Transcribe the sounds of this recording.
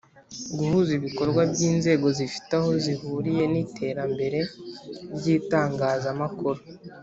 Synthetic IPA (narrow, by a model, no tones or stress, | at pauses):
ɡuhuziβiko̞ɾɡwabɟiːnze̞ːɡo̞zifi̥taho̞zihuːɾije̞nitʰe̞ːɾambe̞ɾe̞ɾɟiːtaːŋɡaːzamakuɾo